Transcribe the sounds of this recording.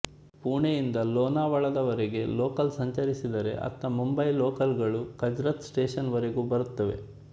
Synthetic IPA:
puːɳejind̪ɐloːnaːʋɐɭɐd̪ɐʋɐɾeɡe̞loːkɐlsɐɲt͡ʃɐɾisid̪ɐɾe̞̰ʔɐ̰t̪ːɐmumbɐjloːkɐlɡɐɭukɐd͡ʒɾɐt̪sʈeːʂɐnʋɐɾeɡuːbɐɾut̪ːɐʋe̞̰

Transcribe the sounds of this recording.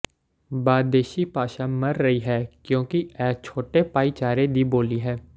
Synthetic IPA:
baːd̪eːʃipaːʃamɐɾːɐɦiɦɛkjõːkiɛːt͡ʃʰoːʈepaːit͡ʃaːɾed̪iboːliɦɛː

